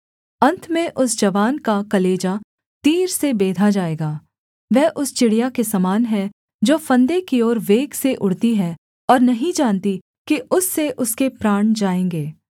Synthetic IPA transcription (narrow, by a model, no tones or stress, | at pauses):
ɐ̃nt̪ʰmẽʔʊsd͡ʒɐʋaːnkakɐleːd͡ʒa | t̪iːɾsebeːd̪ʱad͡ʒaːeːɡaː | ʋɛɦʔʊst͡ʃɪɽijakesɐmaːnɦɛ | d͡ʒoːfɐ̃nd̪ekiɔːɾʋeːɡseʔʊɽt̪iɦɛ | ɔːɾnɐɦĩd͡ʒaːnt̪i | kiʔʊsːeʔʊskepɾaːɳ̃d͡ʒaːẽːŋɡeː